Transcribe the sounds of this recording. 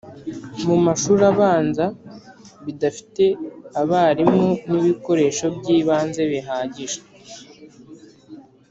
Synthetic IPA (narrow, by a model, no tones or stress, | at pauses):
mumaʃuːɾaβaːnza | βidafi̥te̞aβaːɾimoniβiko̞ɾe̞ʃo̞bɟiːβaːnze̞βiɦaːɟiʒe